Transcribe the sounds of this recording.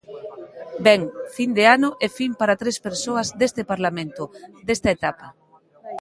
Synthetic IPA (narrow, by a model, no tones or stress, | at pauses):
bɛŋfind̪eanʊʔɛfimpaɾat̪ɾespeɾsoɐzd̪est̪epaɾlamẽnt̪ʊd̪est̪ɐet̪apɐ